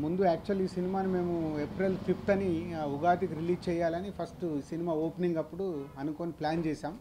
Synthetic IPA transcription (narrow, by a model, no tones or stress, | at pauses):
mund̪uaːk̚t͡ʃuɐliːsinimaːnime̞ːmuepɾelpʰipʰt̪ɐniuɡaːt̪̬ikuɾiliːd͡ʒt͡ʃɛːjaːlɐnipʰɐsʈsinimaːoːpniŋɡɐpːuɽuɐnukoːniplaːnt͡ʃɛːsaːm